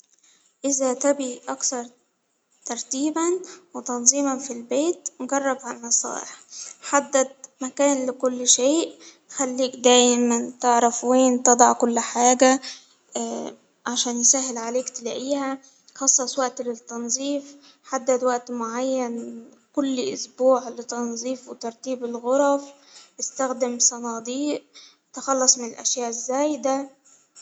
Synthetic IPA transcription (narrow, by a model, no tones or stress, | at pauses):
ʔɪzæt̪æbiːʔɑkθɑɾˤ | t̪ɑɾˤt̪iːbænwet̪ɑnzˤiːmɑnfilbeːt̪nɡɑrˤːɑbʕamɑsˤɑ̰ːɾɾħad̪ːæd̪̚mækæːnlɪkʊlːʃeːʔ | xælːiːkd̪æːjmænt̪ɪʕɾˤɑfweːnt̪ɑd̪ˤɑʕkʊlːħaːɡæ | ʕaʃæːnjɪsæɦːɪlʕaleːkt̪ɪlaːʔiːhæ | xɑsˤːɑsˤwaʔt̪lɪt̪ːɑnzˤiːf | ħad̪ːad̪waʔt̪mʊʕajːan | kʊlːʔʊsbuːʕlɪt̪ɑnzˤiːfwɪt̪ɑɾˤt̪iːbɪlɣʊɾˤɑf | ʔɪst̪æxd̪ɪmsˤɑnɑːd̪ˤiːʔ | t̪ɪxɑlːɑsˤmɪnɪlʔa̰ʃjaːʔɪzːæːjd̪a